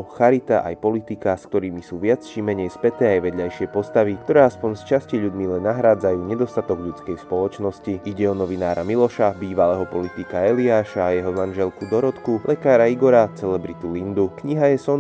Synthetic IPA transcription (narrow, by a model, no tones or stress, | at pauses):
ɔxaɾit̪aʔa̰jpɔlit̪ikask̚t̪ɔɾiːmisuːʋɪat͡st͡ʃimɛɲɛjspɛt̪ɛːajʋɛd̪ʎajʃɪɛpɔst̪aʋikt̪ɔɾɛːaspɔɲst͡ʃasciʎud̪milɛnːaɦɾaːd͡zajuːɲɛd̪ɔst̪at̪ɔɡʎut͡skɛjspɔlɔt͡ʃnɔsciiɟɛɔnɔʋinaːɾamilɔʃabiːʋalɛːɦɔpɔlit̪ikaɛliaːʃaːjɛɦɔmanʒɛlkud̪ɔɾɔt̪kulʔɛkaːɾaiɡɔɾat͡sɛlɛbɾit̪ulind̪ukɲiɦajɛsɔn